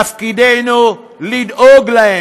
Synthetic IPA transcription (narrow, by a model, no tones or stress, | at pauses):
afkideno | lidoɡla